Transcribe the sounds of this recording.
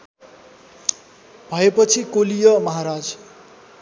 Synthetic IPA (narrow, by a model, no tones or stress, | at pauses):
bʱʌepʌt͡sʰikolijʌmʌɦaɾad͡z